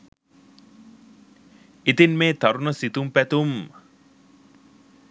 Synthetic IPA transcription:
it̪inmeːt̪aɾunəsit̪umpæt̪um

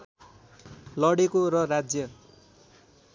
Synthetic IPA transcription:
lʌɽekoɾʌrad͡zjʌ

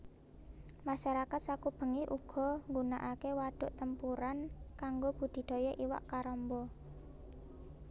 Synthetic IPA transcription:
maʃaɾakat̪̚sakub̥ə̤ŋiʔuɡ̥ɔ̤ŋɡunaʔakewaɖ̥ʊ̤ʔt̪əmpuɾankaŋɡob̥ṳd̪̥i̤ɖ̪̥ɔ̤jɔʔiwa̰ʔkaɾɔmbɔ

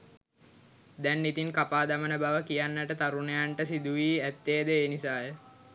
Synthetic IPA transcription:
d̪ɛnːit̪iŋkapaːd̪amənəbaʋəkijanːəʈət̪aɾunejaɳʈəsid̪uʋiːæt̪ːeːd̪əeːnisaːjə

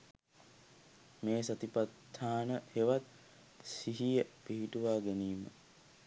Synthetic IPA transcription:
meːsɐt̪ipat̪ːaːnəheʋat̪̚ | siɦijəpiɦiʈuʋaːɡeniːmə̰

